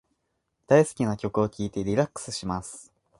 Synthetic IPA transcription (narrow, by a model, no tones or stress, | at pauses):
d̪̥aisɨ̥kʲinakʲo̞kɯ̟o̞kʲiːt̪e̞ɾʲiɾakːɯ̥sɨɕimasɨ̥